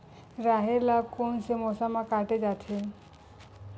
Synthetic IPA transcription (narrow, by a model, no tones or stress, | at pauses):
ɾaɦeɾlab̚konsemɔsamakaʈed͡ʒat̪ʰe